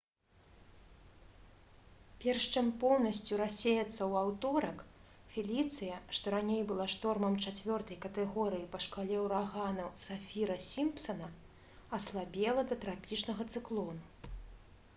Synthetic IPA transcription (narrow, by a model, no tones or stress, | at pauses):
pʲɛrʂt͡ʂɨmpɔwnɐsʲt͡sʲuɾasʲejɐt̪sːɐwawt̪ɔɾɐk | fʲilʲit̪sɨjɐʂt̪ɔɾanʲejbɨlˠaʂt̪ɔrmɐmt͡ʂat͡sʲvʲɔrt̪ɐjkɐt̪ɛɣɔɾɨjipɐʂkalʲɛwɾaɣanɐsafʲiɾɐsʲimpsɐnɐ | ɐslˠabʲɛlˠɐd̪ɐt̪ɾapʲit͡ʂnɐɣɐt̪sɨklˠɔnu